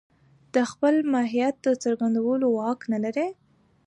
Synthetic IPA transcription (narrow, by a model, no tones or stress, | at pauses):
d̪̥əxpəlmɑɦijat̪̚d̪ət͡səɾɡand̪awəlowɑknalaɾe